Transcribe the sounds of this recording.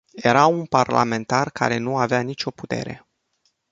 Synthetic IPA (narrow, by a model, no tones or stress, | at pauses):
je̞ɾaunparla̰me̞nt̪arka̰ɾe̞nuaveanit͡ʃʲo̞put̪e̞̰ɾe̞̰